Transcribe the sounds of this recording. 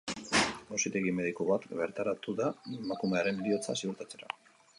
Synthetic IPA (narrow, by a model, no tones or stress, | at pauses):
bosit̪eɣime̞ð̞ikoβat̪ɡe̞ɾt̪aɾat̪uðaemakume̞aɾe̞nlio̞t͡sa̰siuɾt̪at͡se̞ɾa̰